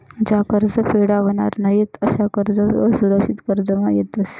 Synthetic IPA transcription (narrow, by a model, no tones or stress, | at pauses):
d͡ʑakəɾd͡zəfeɽaʋəña̰ɾnəjet̪əɕakəɾd͡zəəsuɾəkʂit̪kəɾd͡zəmajet̪əs